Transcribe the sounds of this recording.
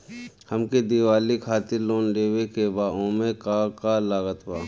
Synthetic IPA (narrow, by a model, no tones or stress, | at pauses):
həmked̪iʋaːlikʰaːt̪ɪɾloːnɖeːwekebaːoːmekakalaːɡət̪baː